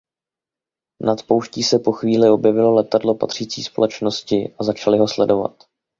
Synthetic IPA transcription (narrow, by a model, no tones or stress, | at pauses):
nat̪po̞wʃciːsɛpo̞xviːlɪo̞bjɛvɪlo̞lɛt̪adlo̞pa̰t̪r̝̥iːt͡sḭːspo̞lɛt͡ʃno̞scɪʔazat͡ʃalɪɦo̞slɛdo̞va̰t̪